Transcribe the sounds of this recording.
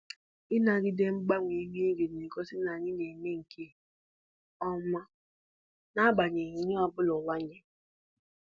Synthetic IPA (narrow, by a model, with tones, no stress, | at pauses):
ɪ˦na˨ɡɪ˦de˦ŋ͡m̩˦ɡ͡ba˦ŋʷe˨˦mi˦e˦ɡe˨n˨e˨kɔ˦sɪ˦na˨ɲɪ˦ne˨me˦ŋ̩˨kʰe˦˨ | ɔ˦ma˦ | na˦ɡ͡ba˨ɲe˨ɲi˦ɲo˦a˨bʊ˦lɔ˨wa˦ɲe˦